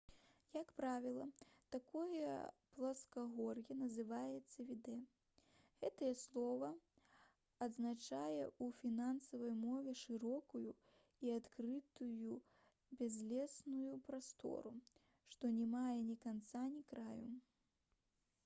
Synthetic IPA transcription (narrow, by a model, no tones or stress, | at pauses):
jɐkpɾavʲilˠɐt̪akɔjɛ̰plˠɐskaɣɔrjɐnɐzɨvajɛt̪sːɐvʲid̪ɛ | ɣɛt̪ɐjɛslˠɔvɐ | ɐd̪znat͡ʂajɛufʲinansɐvɐjmɔvʲɛʂɨɾɔkuju | iat̪kɾɨt̪uju | bʲɛzʲlʲɛsnujupɾast̪ɔ̰ɾu | ʂt̪ɔnʲɛmajɛnʲikant̪sanʲikɾajṵ